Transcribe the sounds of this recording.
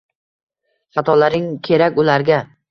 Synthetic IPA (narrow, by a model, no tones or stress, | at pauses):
χat̪ʰɒlaɾɪŋkʲʰe̞ɾakʲʊlaɾɡʲa